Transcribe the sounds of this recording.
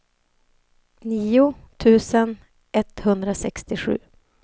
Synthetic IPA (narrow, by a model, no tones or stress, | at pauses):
niːʊt̪ʰʉ̟ːsən | ʔɛt̪hɵnd̪ɾasɛkst̪ɪɧʉ̟̰ː